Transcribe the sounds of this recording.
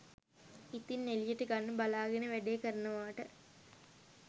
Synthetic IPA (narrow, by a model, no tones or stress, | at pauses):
it̪inːelijəʈəɡanːəbalaːɡenəʋæɖeːkəɾənəʋaːʈə